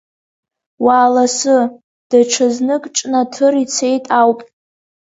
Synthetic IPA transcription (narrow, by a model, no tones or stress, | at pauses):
waːlasɨ | d̥aʈ͡ʂʰɨznɨkʼʈ͡ʂʼnatʰɨrit͡sʰe̞jtʼawpʼ